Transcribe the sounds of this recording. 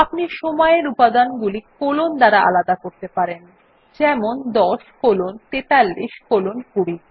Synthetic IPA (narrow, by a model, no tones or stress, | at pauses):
apniʃɔmɔeɾupad̪anɡulikolond̪aɾaʔa̰lad̪akoɾt̪epaɾen | d͡ʑɛmond̪ɔʃkolont̪et̪alːiʃkolonkuɽi